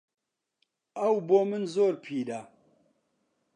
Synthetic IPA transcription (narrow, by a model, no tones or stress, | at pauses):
ɐwboːmɨnzoːɾpʰiːd̪a